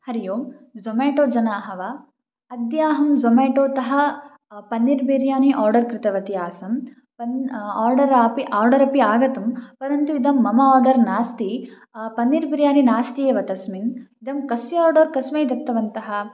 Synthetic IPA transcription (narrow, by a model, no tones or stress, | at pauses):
hɐɾijoːmzomeːʈoːd͡ʒɐnaːɦɐʋa | ɐd̪jaːɦɐmzomeːʈoːt̪ɐɦɐ̆ | pɐnːiɾbiːɾjaːniʔaːɾɖɐɾkɾɪt̪ɐʋɐt̪ijaːsɐm | pɐnaːɾɖɐɾaːpiʔaːɾɖɐɾɐpiaːɡɐt̪ɐmpɐɾɐnt̪uid̪ɐmːɐmɐaːɾɖɐɾnaːst̪i | pɐnːiɾbiɾjaːninaːst̪ijeːʋɐt̪ɐsminid̪ɐmkɐsjɐaːɾɖɐːɾkɐsmeːd̪ɐp̚t̪ːɐʋɐnt̪ɐɦɐ̆